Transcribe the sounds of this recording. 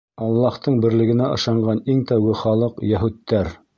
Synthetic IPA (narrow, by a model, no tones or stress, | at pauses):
ɑlˠːɑht̪ɤɴbɘ̆ɾlɘ̆ɡɘ̆næɤ̰̆ʃɑɴɢɑniŋt̪æwɡɘχɑlˠɤqjæɦut̪ːæɾ